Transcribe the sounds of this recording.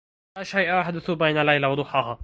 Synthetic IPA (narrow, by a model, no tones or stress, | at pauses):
aʃajʔaʔaħd̪ʊθʊbajnalajlawɑd̪ˤʊħɑːɦaː